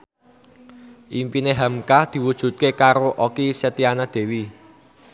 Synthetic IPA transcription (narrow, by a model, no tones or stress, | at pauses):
ʔimpineɦamkahd̪̥i̤wud̥ʒ̥ṳt̪̚kekaɾoʔokiset̪ianad̪̥e̤wi